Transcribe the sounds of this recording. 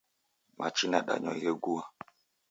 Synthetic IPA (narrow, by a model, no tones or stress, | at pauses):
mʔat͡ʃinaɗa̰ɲɔ̰jeɡuwa